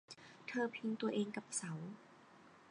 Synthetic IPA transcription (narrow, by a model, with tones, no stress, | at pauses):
t̪ʰɤː˧pʰi˧ŋt̪u˧ɐʔeː˧ŋka˨˩p̚sa˩˦w